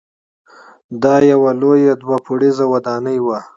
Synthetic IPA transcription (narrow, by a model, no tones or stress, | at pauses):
d̪ɑjawalojad̪wapʰuɽizawad̪ɑnəjwa